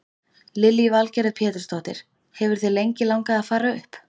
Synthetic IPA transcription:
lɪlivalcɛɾɛðpʰjɛːt̪ʏɾ̥st̪oht̪ɪ̰ɾ̥ | hɛvʏɾ̥θejlejɲcɪlawŋkaaðfaːɾaʏ̰hp

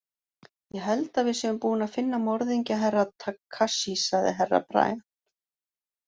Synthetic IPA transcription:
jɛɦɛlt̪aðvɪðsjɛvʏmpuːɪnaðfɪnːamɔɾðiɲcaɦɛrːat̪ʰakʰːaʃisaɣðɪ̰ɦɛrːa̰pɾa̰ːj

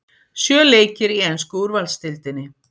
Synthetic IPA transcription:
sjœːleːjcɪɾiejnskʏuɾvalst̪ɪlt̪ɪnːɪ

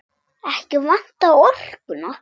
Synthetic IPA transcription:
ɛhcɪvan̥t̪aɔr̥kʏna

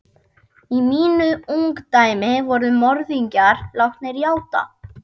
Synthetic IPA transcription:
imiːnʏuŋkt̪aːjmɪvɔɾðʏmɔɾðiɲcaɾlawht̪nɛɾjaːwt̪a̰

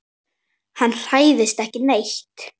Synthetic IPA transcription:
hanːr̥aːjðɪst̪ɛhcɪnejht̪

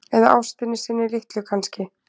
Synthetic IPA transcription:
ɛðaʔa̰wst̪ɪnːɪsɪnːɪlɪht̪lʏkʰanscɪ

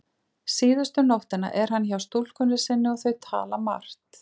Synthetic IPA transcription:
siːðʏst̪ʏnowht̪ɪna̰ʔɛɾ̥ɦanːçawst̪ul̥kʏnːɪ̥sɪnːɪɔɣθœɥt̪ʰa̰ːlama̰r̥t̪

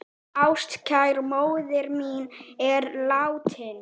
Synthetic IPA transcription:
awst̪cʰajɾmoːwðɪɾmiːnɛɾlaːwt̪ʰɪn

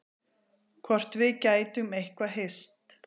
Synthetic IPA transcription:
kʰvɔr̥t̪vɪðcaːjt̪ʏmejhkvaɦest̪

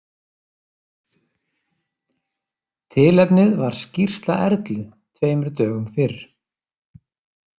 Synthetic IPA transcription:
t̪ʰɪːlɛpnɪðvaɾ̥scir̥st̪la̰ʔɛɾt̪lʏ | t̪ʰveːjmʏɾt̪œːɣʏmfɪɾ̥

